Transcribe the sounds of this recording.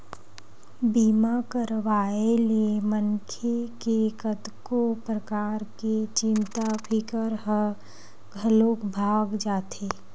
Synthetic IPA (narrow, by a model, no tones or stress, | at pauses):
biːmakəɾʋaːeliemənkʰekekət̪kopɾəkaːɾket͡ʃɪnt̪apʰɪkəɾɦə | ɡʱəlokbʱaːɡd͡ʒaːt̪ʰeː